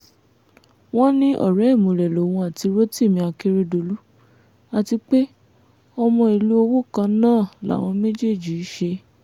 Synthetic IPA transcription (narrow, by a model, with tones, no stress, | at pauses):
w̃ɔ̃˦nĩ˦ʔɔ̰˦˨ɾɛ˨˦˨mũ˨ɾɛ˨lo˨w̃ɔ̃˧a˨ti˧ɾo˦ti˦˨mĩ˧˦a˧ke˦ɾe˧do˧lu˦ | a˧ti˧k͡pe˦ | ɔ˧mɔ̃˧i˧lu˦o˧wo˦kã˧˦nãː˦˨la̰˨˦˨w̃ɔ̃˧me˦d͡ʒe˦˨d͡ʒi˨i˦ʃe˧